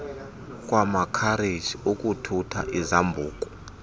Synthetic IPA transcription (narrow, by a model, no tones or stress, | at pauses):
k̬ʼwamakʰaɾed͡ʒiokʼutʰutʰa̰ʔizambʱuːkʼɔ